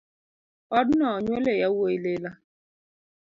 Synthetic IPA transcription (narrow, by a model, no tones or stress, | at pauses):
ɔdnɔɲwelejawoilela